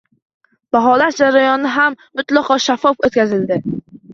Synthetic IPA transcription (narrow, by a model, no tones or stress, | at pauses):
b̥aɦɒlat̪d͡ʒaɾajɒnɪɦamːʊt̪lˠɑqʰɒʃafɒfot̪̚kʲazɪld̪ɪ